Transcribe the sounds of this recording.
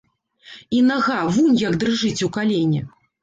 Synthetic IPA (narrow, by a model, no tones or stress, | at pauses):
inaɣavunʲjɐɡd̪ɾɨʐɨt͡sʲukalʲenʲɛ